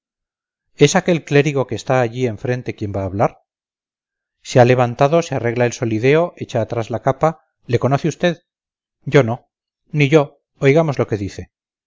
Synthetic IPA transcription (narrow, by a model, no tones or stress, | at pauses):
e̞sake̞lkle̞ɾiɣo̞keːst̪aːʎie̞ɱfɾent̪e̞kje̞mbaːβlaɾ | seale̞β̞ant̪aðo̞seare̞ɣlaelso̞liðe̞o̞ʔe̞t͡ʃaːt̪ɾazlakapa | le̞ko̞noθeust̪e̞ð | ɟ͡ʝo̞no̞ | niʝo̞ | ojɣamo̞zlo̞ke̞ðiθe̞